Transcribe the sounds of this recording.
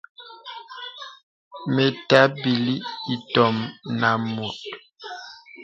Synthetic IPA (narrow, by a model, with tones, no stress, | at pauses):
me˨ta˦bi˨li˦i˨tɔ˨mna˨mo˨t̚